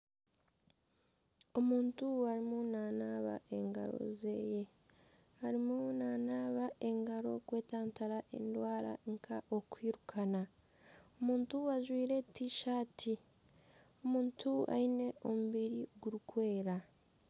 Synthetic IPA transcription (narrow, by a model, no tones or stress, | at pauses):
o̞muːntuaɾimunaːnaːβa̰ʔe̞ŋɡa̰ɾo̞̰ze̞̰ːje̞ | haɾimunanaːβaʔe̞ŋɡaɾo̞̰kwe̞ːtaːntaɾaʔe̞̰ndwaːɾa̰ŋkʰaʔo̞kwiːɾukʰana | omuːntuwaʒwiːɾe̞tːiʃaːtʰi | omuːntʰua̰ine̞ʔo̞muβiɾiɡuɾukwe̞ːɾa